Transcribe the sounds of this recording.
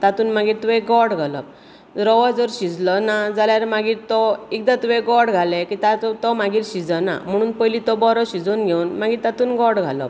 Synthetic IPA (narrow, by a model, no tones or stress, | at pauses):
t̪at̪uːnmaɡiːɾt̪uɛɡɔɾɽɡʱalɔ̰p̚ | ɾɔʋad͡zəɾɕid͡zlɔnad͡zaljaɾmaɡiːɾt̪ɔik̚d̪at̪uʋɛɡɔɾɽɡʱalɛkit̪at̪t̪ɔmaɡiːɾɕid͡zəna̰m̤əɽ̃uːnpəjlit̪ɔbɔɾɔɕid͡zoːnɡʱeunmaɡiːɾt̪at̪uːnɡɔɾɽɡʱa̰lɔ̰p